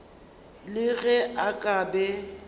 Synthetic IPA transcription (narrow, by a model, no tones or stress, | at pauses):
lɪɣɛakʼabɛ